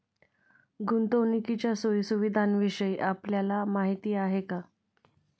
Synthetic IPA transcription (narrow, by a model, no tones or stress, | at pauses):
ɡunt̪ownikit͡ɕjasojsuʋid̪ʱanʋiʂəjʔapljalamaɦit̪iːaɦeka